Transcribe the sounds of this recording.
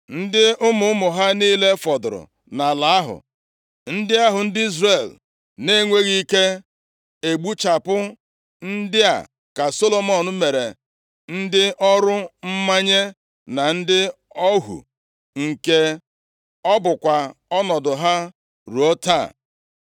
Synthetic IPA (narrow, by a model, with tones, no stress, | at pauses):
n̩˦dɪ˦ʊ˦mʊ˨ʊ˦mʊ˨ɦa˦niː˦le˦fɔ˨dʊ˨ɾʊ̰˨ | na˨la˨˦a˦ɦʊ̰˨ | n̩˦dɪ˦a˦ɦʊ˨n̩˦dɪ˦i˦zre˨l | ne˦ŋʷe˦ɣi˦i˦ke˦ | e˨ɡ͡bu˦t͡ʃa˨pʊ˦ | n̩˦dɪ˦a̰˨ | ka˨so˦lo˨mɔ˦˨n̩˦me˨ɾe˨ | n̩˦dɪ˦ʔɔ˦ɾʊ˦m̩˦ma˦ɲe˦ | na˨n̩˦dɪ˦ | ɔ˦ɦṵ˨ | ŋ̩˨ke˨ | ɔ˦bʊ˨kʷa˨ɔ˦nɔ˨dʊ˨ɦa˦ | ɾu˨o˦ta̰˦˨